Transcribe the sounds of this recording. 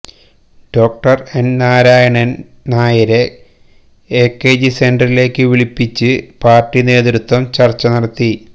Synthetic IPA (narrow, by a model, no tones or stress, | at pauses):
ɖ̥o̞ːk̚ʈɐre̞nnaːɾaːjɐɳɐn | naːjɐɾe | eːkːeːd͡ʑise̞nɖɐrile̞ːkːɨʋiɭipːit͡ɕːɨpaːrʈːine̞ːðɾut̪wɐmt͡ɕɐrt͡ɕːɐnɐɽɐt̪ːi